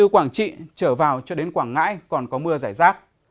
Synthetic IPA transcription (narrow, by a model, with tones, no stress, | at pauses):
ɨ˧kwaː˧˩ŋt͡ɕḭ˧˨t͡ɕəː˧˩vaː˨˩wt͡ɕɔ˧ɗe˨˦nkwaː˧˩ŋːa̰ː˧˥jkɔ˨˩nkɔ˨˦mɨ˧əzaː˧˩jzaː˦˥k̚